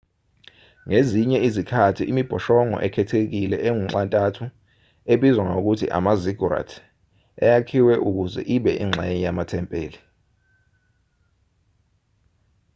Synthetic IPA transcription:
ŋeziɲɛizikʰatʰiʔimib̥ʱɔʃɔŋɔ̰ʔɛkʰɛtʰek̬ilɛʔeŋuŋ͡ǁantʼatʰu | eɓizwaŋok̬utʰḭʔa̰maziɡʱura̰tʰ | ajakʰiwɛʔuk̬uzɛ̰ʔiɓɛʔiŋ͡ǁʱɛɲijamatʰɛmpʼeːli

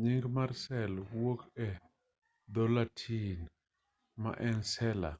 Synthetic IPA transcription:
ɲiŋɡmaɾsɛlwokɛ | d̪ɔlatʰin | ma̰ʔɛnsɛla̰

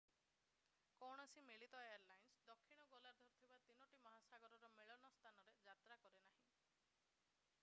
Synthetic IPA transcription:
kɔɽ̃ɔsimeɭit̪ɔeaɾlajnsd̪ɔkʰːiɽ̃ɔɡolaɾd̪ʱɔɾt̪ʰibat̪inɔʈimɔɦasaɡɔɾɔɾɔmeɭɔnɔst̪ʰanɔɾed͡ʒat̪ɾakɔɾenaɦĩ

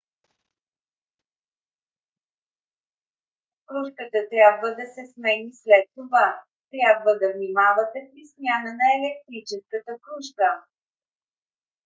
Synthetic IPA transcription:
kɾuʃkət̪ət̪ɾʲabvəd̪ɐsɛsmɛnislɛt̪ːova | t̪ɾʲjabvəd̪ɐvnimavət̪ɛfɾisnʲjanənɐɛlɛk̚t̪ɾit͡ʃɛskət̪əkɾuʃkə

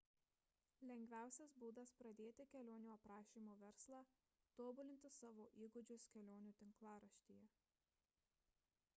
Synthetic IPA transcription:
lʲɛŋʲɡʲʋʲæˑʊsʲɛsbuːd̪ɐspɾɐd̪ʲeːt̪ʲɪkʲɛlʲoːnʲuːɐpɾɑːʃʲiːmoːʋʲɛɾslˠɑː | t̪oːbʊlʲɪnʲt̪ʲɪsɑːʋoːʔiːɡʊd͡ʒʲʊskʲɛlʲoːnʲuːt̪ʲɪŋklˠɑːɾɐʃʲt̪ʲiːjɛ

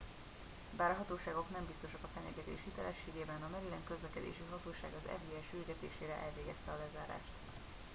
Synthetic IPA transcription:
baːɾɒɦɒt̪oːʃaːɡo̞knɛmbist̪o̞ʃɒkɒfɛɲɛɡɛt̪ḛːʃhit̪ɛlɛʃːeːɡeːbɛnɒmɛɾilɛŋkøzlɛkɛd̪ḛːʃiɦɒt̪oːʃaːɡɒzɛ̰viɛʃyrɡɛt̪ḛːʃeːɾɛʔɛlveːɡɛst̪ɛɒlɛzaːɾa̰ːʃt̪

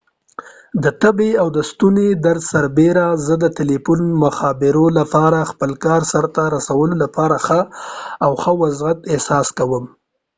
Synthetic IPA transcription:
d̪ət̪abeawd̪əst̪uned̪aɾd̪saɾbeɾazəd̪ət̪ɪlipʊnmʊxɑbɪɾolapɑɾaxpəlkɑɾsaɾt̪aɾasawəlolapɑɾaxəawxəwazɣat̪ɪhsɑskawəm

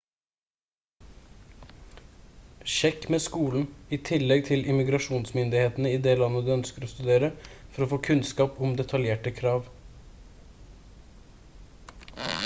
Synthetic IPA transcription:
ʃɛkːmeːskuːln̩iːt̪ʰɪlːɛɡ̚t̪ʰɪlʔɪmɪɡɾɑʂuːnsmʏnd̪ɪheːt̪nəiːd̪eːlɑnːəd̪ʉːœnskəɾoːst̪ʉd̪eːɾəfɔɾoːfoːkʰʉnskɑːpɔmd̪ɛt̪ʰɑljeːʈəkʰɾɑːʋ

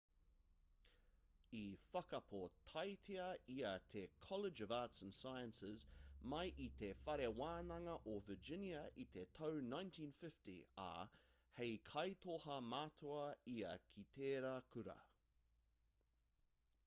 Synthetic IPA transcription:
ifɐkɐpʰotʰɐjtʰiɐiɐt̪ʰekʰɔlɪd͡ʒəvaːtsə̃nsajə̃nsɪzmɐjʔit̪ʰefɐɾewaːnɐŋɐʔovəd͡ʒɪnjɐʔit̪ʰetʰownãj̃ntʰĩːnfɪftḭɐ̰ | hejkʰɐjt̪ʰohɐmaːt̪ʰoɐiɐkʰitʰeːɾɐkʰʉɾɐ̰

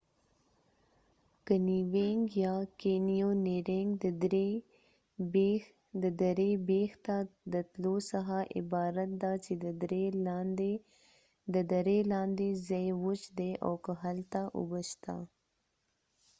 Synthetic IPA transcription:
kəniweŋɡjɑkenijoneɾeŋɡd̪əd̪ɾe | be | d̪əd̪aɾebext̪ad̪ət̪losaɦaʔɪ̰bɑɾat̪̚d̪at͡ʃed̪əd̪ɾed̪e | d̪əd̪aɾelɑnd̪ezajwʊt͡ʃd̪eʔa̰wkəɦalt̪aʔʊ̰bəʃt̪a̰

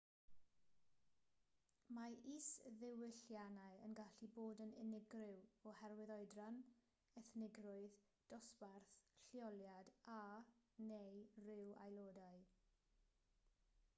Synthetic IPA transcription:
maisðɪwɪɬjanaɨə̰nɡaɬiboːdənɪnɪɡrɪwɔhɛrwɪðɔɨdran | ɛθnɪɡrʊɨð | d̥ɔsbarθɬjɔlˠjadanejrɪwa̰jlˠoːdaɨ

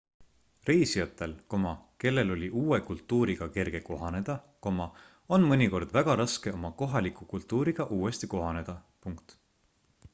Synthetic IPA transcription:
re̞jsijɑt̪ːˑe̞lko̞mɑke̞lːe̞lo̞lʲiʔuːwe̞kult̪ːˑuːɾiɡ̥ɑke̞rɡ̥e̞ko̞ɦɑne̞d̪̥ɑ | ko̞mɑ | o̞nmɤnʲiko̞rd̪̥væɡ̥ɑɾɑske̞omɑko̞ɦɑlikːˑukult̪ːuːɾiɡ̥ɑʔuːe̞st̪iko̞ɦɑne̞d̪̥ɑ | puŋkt̪

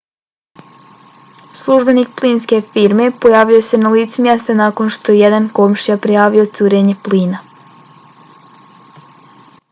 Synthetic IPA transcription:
slˠuʒbe̞nik̚pliːnske̞fiɾme̞po̞jaːʋiose̞naliːt̪sumjest̪anako̞nʃt̪o̞jejed̪anko̞mʃijapɾijaːʋio̞t̪suːɾeɲe̞pliːna

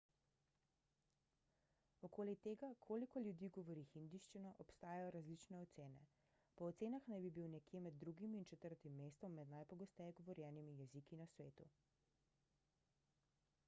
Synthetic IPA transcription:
ɔkoːlit̪eːɡakʰoːlikɔljud̪iːɡɔʋɔɾixind̪iʃt͡ʃinɔʔɔpst̪aːjajɔɾazlit͡ʃnɛɔt̪seːnɛ̰ | pɔːt̪seːnaxnajbibiwnɛkjeːmɛd̪̚ːɾuɡimiːnt͡ʃɛt̪əɾt̪imːeːst̪ɔmːɛd̪najpɔɡɔst̪ɛjɛɡɔʋɔɾjɛːnimijɛzikinasʋeːt̪ṵ

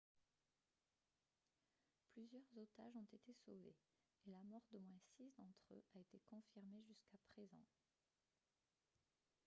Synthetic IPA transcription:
plyzjœʁzot̪aʒɔ̃t̪et̪esovḛ | elamɔʁd̪omwɛ̃sisd̪ɑ̃t̪χø̰ʔaet̪ekɔ̃fiʁmeʒyskapχezɑ̰̃

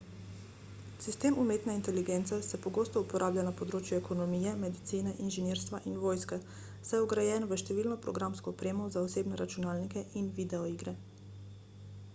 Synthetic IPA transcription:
sist̪eːmumeːt̪nɛint̪ɛliɡent̪sɛsɛpɔɡost̪ɔupɔɾʔaːblʲanapɔd̪ɾoːt͡ʃjuɛkʰɔnɔmiːjɛmɛd̪it̪siːnɛʔinʒɛneːɾst̪ʋaʔinʋoːjskɛ | sajɛɔɡɾajɛːnʋəʃt̪ɛʋiːlnɔpɾɔɡɾamskɔɔpɾeːmɔzaɔseːbnɛɾat͡ʃunaːlnikɛʔinʋid̪ɛɔiɡɾɛ

